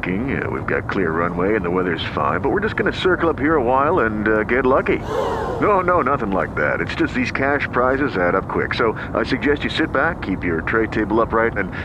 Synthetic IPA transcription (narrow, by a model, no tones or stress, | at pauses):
kɪ̃ŋ̰wḭvɡɑ̰t̚kʰl̥ɪɹːʌ̃nweɪɨ̃nðəwɛðə˞z̥fã̰ɪ̃nbʌt̚wɨɹd͡ʒʌsɡ̥ʌnɨsɜ˞kl̩ˠʌphiɹəwaɪlˠə̃nɡɛtˡlʌkinoʊnoʊnʌθɪ̃ŋlaɪk̚ðæ̰ɾɨtsd̥ʒ̥ʌst̪̚ðiz̥kʰæʃpʰɹ̥aɪzɨzæɾʌp̚kʰw̥ɪ̰ksoʊ | ʔa̰ɪsɨɡ̚d͡ʒɛst͡ʃɨsɪt̚b̥ækʰːipjə˞tʰɹ̥eɪd̚tʰeɪbl̩ˠʌpɹaɪɾɨ̃n